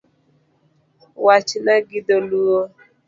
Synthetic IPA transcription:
wat͡ʃnaɡid̪oluo

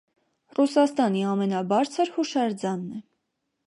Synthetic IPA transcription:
rusɑst̪ɑniɑmɛnɑbɑɾt͡sʰəɾhuʃɑɾd͡zɑnːɛ

